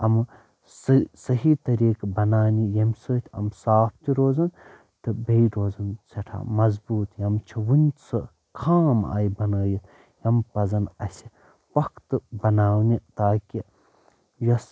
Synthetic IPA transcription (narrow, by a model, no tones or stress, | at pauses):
ɐm | ssɐɦit̪ɐɾiːkbɐnaːnijɐmʲsoːt̪ʰʲɐ̰msaːpʰt̪iɾoːzɐn | t̪ɨbejɾoːzɐnsɐʈʰa̰ːmɐzbuːt̪jɐmt͡ʃʰiwunʲsɨ | kʰaːma̰ːjbɐnəːjit̪ | jɐmpɐzɐnɐ̰sʲi | pɐkʰt̪ɨbɐnaːwnit̪aːki | jɐs